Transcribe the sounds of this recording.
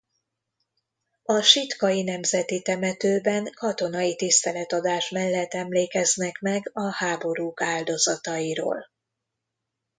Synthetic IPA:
ɒʃit̪kɒjinɛmzɛt̪it̪ɛmɛt̪øːbɛŋkɒt̪o̞nɒjit̪ist̪ɛlɛt̪ɒd̪aːʃmɛlːɛt̪ːɛmleːkɛznɛkmɛɡɒhaːbo̞ɾuːkaːld̪o̞zɒt̪ɒjiɾo̰ːl

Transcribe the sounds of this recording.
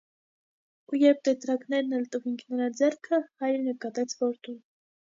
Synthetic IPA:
ujɛɾp̚t̪ɛt̪ɾɑknɛɾnɛlt̪əviŋkʰnəɾɑd͡zɛrkʰəhɑjɾnəkɑt̪ɛt͡sʰvɔɾt̪un

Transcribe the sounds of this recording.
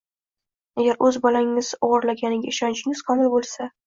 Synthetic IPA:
aɡʲaɾɵzbɒlaŋɪz̥ɒʁɑɾlaɡʲanɪɡʲaɪʃɒnt͡ʃʰɪŋɪz̥qʰɒmɪlbolˠsa

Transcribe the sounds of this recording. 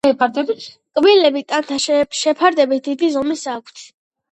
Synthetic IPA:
ɛpʰaɾd̪ɛbit̪ʰ | kʼbilɛbit̪ʼant̪ʰaʃʃɛpʰaɾd̪ɛbit̪̚ʰd̪id̪izɔmisakʷʰt̪ʰ

